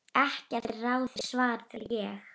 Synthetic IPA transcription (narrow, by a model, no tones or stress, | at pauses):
ɛhcɪaɪɾraːwθɪ̥svaːɾt̪ʰɪljɛx